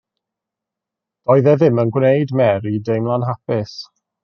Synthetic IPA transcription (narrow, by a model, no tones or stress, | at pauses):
d̥ɔɨðɛðɪmənɡwnejdmɛɾidejmlˠanɦapɪs